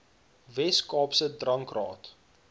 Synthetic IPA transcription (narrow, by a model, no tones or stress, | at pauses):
vɛskɑːpsədrɐŋkrɑ̰ːt